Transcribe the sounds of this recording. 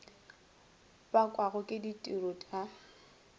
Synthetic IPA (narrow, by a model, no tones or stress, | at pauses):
bakʼwaɣʊkʼɪditʼirotʼa